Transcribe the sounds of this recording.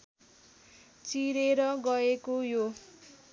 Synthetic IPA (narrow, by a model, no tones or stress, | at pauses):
t͡siɾeɾʌɡʌekojo